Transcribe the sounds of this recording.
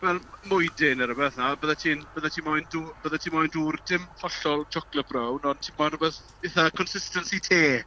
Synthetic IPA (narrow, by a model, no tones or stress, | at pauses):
vɛlˠmʊjdɪnəɾəbəθnabəðatʰiːnb̥əðatʰiːmɔjnduːb̥əðatʰiːnmɔjnduːrdɪmfɔɬɔlˠd͡ʒɔklˠəb̥rawnɔntʰiːmɔjnrəbəθ | eθakʰɔnsɪstənsitʰeː